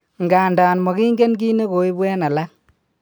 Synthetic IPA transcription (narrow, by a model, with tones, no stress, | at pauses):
ŋɡaː˨ndaː˨nmɔ˨ki˦ŋɡe˦nɡi˦ne˦ko˨i˦bɛ˦na˨la˦k